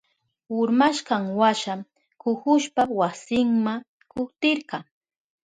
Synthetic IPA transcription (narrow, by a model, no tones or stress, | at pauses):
ʊɾmaʃɢɑŋwaʃa | kʊhʊʃpawasɪŋma | kʊht̪ɪɾɢɑŋ